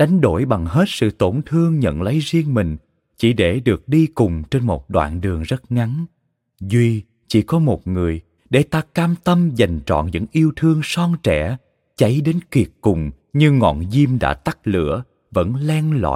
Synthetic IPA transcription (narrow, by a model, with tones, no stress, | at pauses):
ɗa˨˦jŋ̟ɗo˧˩jɓa˨˩ŋɦe˦˥t̚sɨ̰˧˨t̪o˧˩nt̪ʰɨ˧əŋɲə̰˧˨nlə˨˦jzi˧əŋmï˨˩ŋ̟ | t͡ɕi˧˩ɗe˧˩ɗɨ˨˩ək̚ɗi˧kʊ˨˩ŋ͡mt͡ɕe˧nmo˨˩t̚ɗwa̰ː˧˨nɗɨ˨˩əŋzə˦˥t̚ŋa˨˦n | zwi˧ | t͡ɕḭ˧˥kɔ˨˦mo˨˩t̚ŋɨ˨˩əj | ɗe˧˩t̪aː˧kaː˧mt̪ə˧mza˨˩jŋ̟t͡ɕɔ̰˧˨nɲɨ̰˧˥ŋʔi˧əwt̪ʰɨ˧əŋsɔ˧nt͡ɕɛ̰˧˩˥ | t͡ɕa˨˦jɗe˨˦nki˨˩ət̚kʊ˨˩ŋ͡m | ɲɨ˧ŋɔ̰˧˨nzi˧mɗa̰ː˧˥t̪a˦˥k̚lɨ̰˧˥ə | və̰˧˥nlɛ˧nla̰ː˧˨j